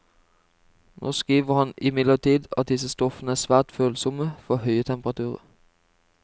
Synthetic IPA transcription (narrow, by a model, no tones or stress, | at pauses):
nʔoːskʁiːʋəʁhɑnɪmɪd̪ləʁt̪ʰiːd̪ɑ̰t̪̚d̪ɪsəst̪ɔfənəæːsʋæːʁt̪føːlsɔməfɔʁhœʏət̪ʰɛmpʁɑt̪ʰʉːʁə̰